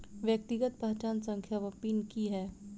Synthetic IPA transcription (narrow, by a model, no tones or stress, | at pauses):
ʋjək̚t̪ɪɡət̪̚pɐɦt͡ʃaːnsə̃ŋkʰjaʋɐpiːnkiɦɛː